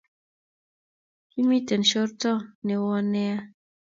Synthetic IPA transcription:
ki˦mi˦tɛ˨nʃɔ˦ɾtɔ˦˨ne˨wɔ˦nɛ˦a˦

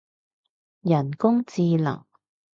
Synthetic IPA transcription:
jɐ˨˩nkʊ˥ŋt͡siː˧lɐ̰˨˩ŋ

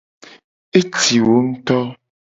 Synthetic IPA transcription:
e˦ti˨wo˨˦m̩˦tɔ˦

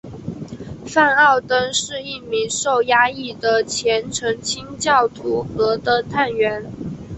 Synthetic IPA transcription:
fa˥˧nɑ˥˩ʊt̪ə˥ŋʂɻ̩˥˧i˥˩mi˧˥ŋʂo˥˩ʊja˥i˥˩d̪ə˨t͡ɕʰjɛ˧˥nʈ͡ʂʰɤ˧˥ŋt͡ɕʰi˥ŋt͡ɕjɑ˥˩ʊt̪ʰu˧˥xɤ˧˥d̪ə˧t̪ʰa˥˩nɥɛ˧˥n

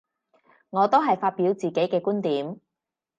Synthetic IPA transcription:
ŋɔː˨˧t̪o˥wɦɐ˨jfaː˧t̚piː˨˥wt͡siː˨˩ke˨˥jkɛː˧kuː˥nt̪iː˨˥m

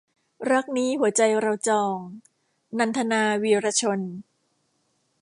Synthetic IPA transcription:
ɾa˦˥k̚niː˦˥ɦu˩˦ɐt͡ɕa˧jɾa˧wt͡ɕɔː˧ŋ | na˧nt̪ʰa˧naː˧wiː˧ɾaː˧t͡ɕʰo˧n

